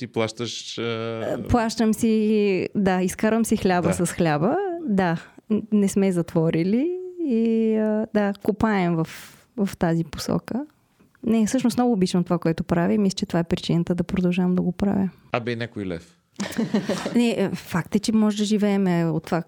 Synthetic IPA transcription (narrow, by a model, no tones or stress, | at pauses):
t̪iplˠaʃt̪əʃ | plˠaʃt̪əmsid̪aiskaɾvəmsixlʲabəsɐsxlʲabəd̪anɛsmɛzɐt̪vɔɾiliː | əd̪akopaɛmvɐf | vɐft̪azipo̥sɔ̰kə | nɛsɤʃnosnɔɡʊːbit͡ʃnɐmt̪ovakoɛt̪opɾavimislət͡ʃɛt̪ovaɛpɾit͡ʃinət̪əd̪ɐpɾod̪ɐlˠʒavəmd̪ɐɡopɾa̰vʲim | abɛnʲakoilɛ̰f | nɛfakt̪ət͡ʃɛmɔʒɛd̪ɐʒivɛːmɛot̪ːva